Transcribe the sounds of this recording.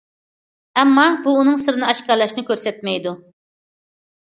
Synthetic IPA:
ɛmːɑbuːnɨŋsɨɾɨnɨɑʃkɑɾlˠɑʃnɪkʲʰøɾsɛt̪̚mɛjd̪u

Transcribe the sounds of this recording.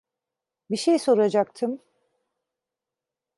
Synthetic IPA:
biʃejso̞ɾad͡ʒak̚t̪ʰɯm

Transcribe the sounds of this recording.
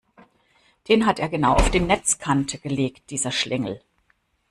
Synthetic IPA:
d̥eːnɦateːɐɡənaʊʔa̰ʊfd̥eːmnɛt͡skʰantʰəɡ̥əleːkt̚d̥iːzɐʃlʔɪŋl̩

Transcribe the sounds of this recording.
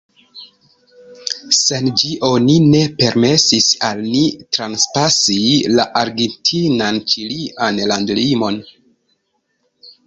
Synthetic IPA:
se̞nd͡ʒiʔo̞nine̞pe̞ɾme̞sisalnitɾanspasilaʔaɾɡentʰinant͡ʃiliʔanlandlimo̞n

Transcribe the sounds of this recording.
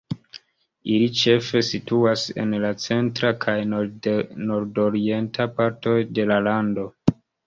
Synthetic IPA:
ilit͡ʃe̞fe̞situase̞̰nlat͡se̞ntɾakʰaj | noɾdo̞ɾie̞ntapaɾto̞jde̞lalando̞

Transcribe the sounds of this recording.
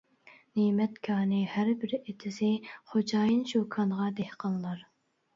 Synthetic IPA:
neːmɛt̪kʰɑːnɨhæɾbɪɾet̪ʰɪsɪχod͡ʒɑːjinʃokʰɑnʁɑd̪ɛhqʰəlˠlˠɑɾ

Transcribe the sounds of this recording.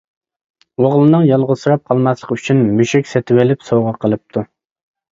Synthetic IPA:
woʁlˠɨnɨŋjɑlˠʁʊsɨɾɑp̚qʰɑlˠmɑslˠəqyt͡ʃʰynmyʃɛkʲsɛt̪ʰɪwelɪpsowʁɑqʰəlˠɨp̚t̪ʰu

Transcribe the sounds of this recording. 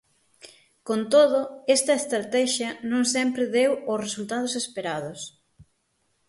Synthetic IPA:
kont̪oðʊest̪ɐest̪ɾat̪ɛʃjɐnõŋsɛmpɾɪðewosresult̪að̞ʊsespeɾaðʊs

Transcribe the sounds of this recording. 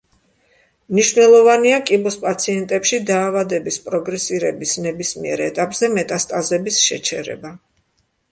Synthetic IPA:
mniʃvnɛlˠɔvaniakʼibɔspʼat̪sʰiɛnt̪ʼɛpʃid̪aːvad̪ɛbispʼɾɔɡɾɛsiɾɛbisnɛbismiɛɾɛt̪ʼapʼz̥ɛmɛt̪ʼast̪ʼazɛbisʃɛ̰t͡ʃʰɛɾɛ̰ba

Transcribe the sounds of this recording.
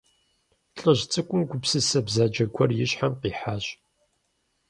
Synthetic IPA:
ɬʼəʑt͡sʼɨkʷʼʊmɡʷʊpsɨsɐbzaːd͡ʒɐɡʷʰɔrjɪɕħamqiːħaːɕ

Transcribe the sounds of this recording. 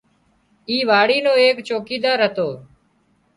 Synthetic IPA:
iːʋaːɽiːnõːeːkt͡ʃoːkiːd̪aːɾɦət̪oː

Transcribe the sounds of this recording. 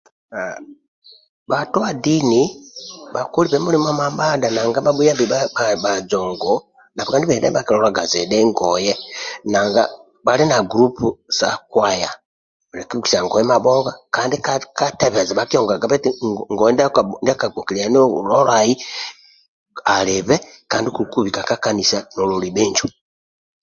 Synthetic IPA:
a | batuβadinibakuliβɛmulimamambadanaŋɡabaɓujambiaabad͡ʒɔŋɡɔ | napɔkandiβɛdɛbakilɔɾaɡa̰zɛɗɛŋɡɔjɛnaŋɡa̰ | balinaɡɾupusa̰kwaja | lɛkiki̥saŋɡɔjɛmabɔɣakaːndikkatɛβɛzaβakijɔŋɡaɡaβetiŋɡɔjɛndndiakaɡokilijanloɾai | aleβɛ | kaːndikuukuβikakakanisanolulibeɲd͡ʒu

